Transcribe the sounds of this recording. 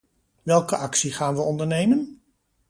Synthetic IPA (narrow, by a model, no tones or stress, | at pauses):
ʋɛlˠkəʔɑksiχaːnʋəɔndəɹnejmən